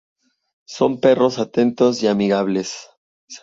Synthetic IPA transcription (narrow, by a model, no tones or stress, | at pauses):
so̞mpe̞ro̞sat̪e̞nt̪o̞siamiɣaβ̞le̞s